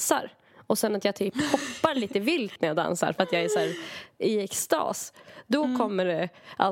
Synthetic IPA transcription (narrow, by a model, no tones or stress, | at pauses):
sa̰ɾ | ɔsɛnːat̪jɑːt̪ʰyːphɔpːaɾɭiːt̪əvɪlt̪næɾjaːd̪a̰nsa̰ɾfœɾat̪jɑɡæʂæːɾɪɛkst̪ɑ̰ːsd̪ɔkʰɔmːəɖɛʔa̰